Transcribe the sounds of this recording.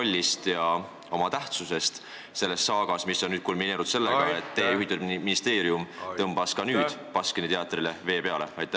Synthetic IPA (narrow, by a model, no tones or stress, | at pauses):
olʲːist̪jɑ | o̞mɑt̪æht̪suse̞st̪ | se̞lːe̞ssɑːɡ̥ɑsmisːo̞nnyːd̪̥kulmine̞ːɾud̪̥se̞lːeɡ̥ɑet̪ːe̞ːjuhit̪ːˑud̪minist̪e̞ːɾijumt̪ɤmb̥ɑskɑnyːd̪̥pɑskenit̪eɑt̪ːˑrile̞ve̞ːpe̞ɑle̞ɑjt̪ːˑæ